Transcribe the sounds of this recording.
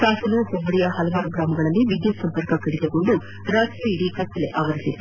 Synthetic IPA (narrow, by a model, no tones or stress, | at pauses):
saːsɐluhoʋɐɽijɐɦɐlɐʋaːɾuɡɾaːmɐɡɐɭɐlːiʋid̪jɐsɐmpɐɾkɐkɐɽid̪ɐɡoɳɖu | ɾaːsɾiiiɽikɐt̪ːɐlḛʔaːʋɐɾisit̪ːu